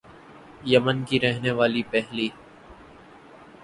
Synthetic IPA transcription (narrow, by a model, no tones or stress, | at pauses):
jəmənkiɾɛɦneʋaːlipɛɦliː